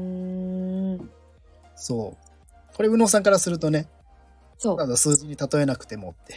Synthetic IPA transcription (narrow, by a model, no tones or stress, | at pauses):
ɯ | so̞ː | ko̞ɾeɯ̟no̞ːs̬ãŋkaɾasɨɾɯ̟t̪one̞ | ot̪ad̪osɨːʑiɲ̟it̪at̪o̞e̞nakɯ̟̥t̪e̞mot̪ːe̞